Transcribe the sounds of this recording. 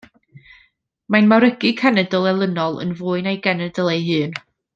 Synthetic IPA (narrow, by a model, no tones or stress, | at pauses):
majnmaɾəɡɨkʰanɛdəlˠɛlˠənɔlˠə̰nvuːɨnejɡɛnədəlˠejɦɨːn